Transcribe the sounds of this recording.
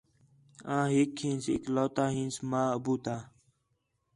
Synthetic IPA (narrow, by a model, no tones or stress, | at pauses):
ãːɦiːkʰːĩːnsɪ̰kloːt̪aːɦĩːnsmãːəbuːt̪aː